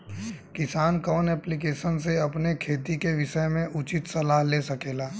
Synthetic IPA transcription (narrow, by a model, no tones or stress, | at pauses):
kɪsaːnkɔːnɛːplɪkeːʃənseɐpnekʰeːt̪ikeʋɪʃəmẽʔʊt͡ʃɪt̪sɐlaːɦleːsɐkeːlaː